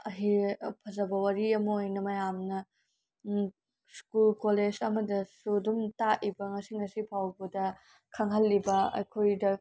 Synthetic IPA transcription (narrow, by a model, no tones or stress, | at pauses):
ɐɦipʰɐzɐbɐwɐɾiɐmɐojnɐmɐjamnɐ | skulkoled͡ʒɐmɐdɐsudumtaʔibɐŋɐsiŋɐsipʰawbɐdɐ | kʰɐŋɦɐlːibɐɐ̰jkʰojdɐ